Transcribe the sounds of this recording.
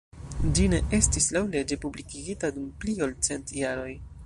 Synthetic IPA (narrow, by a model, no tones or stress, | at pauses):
d͡ʒine̞ʔe̞stislawle̞d͡ʒe̞publikiɡitadumpliolt͡se̞ntjaɾo̞j